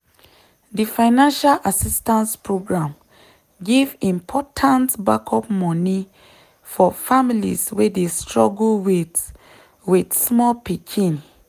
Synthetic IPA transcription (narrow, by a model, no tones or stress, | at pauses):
difaɪnãnʃalʔasistãnspɹoɡɹãm | ɡivĩmpʰɔtʰãntbakʰɔpmɔni | fɔfamilḭswedestɹɔɡlwi | widsmɔlpikʰĩn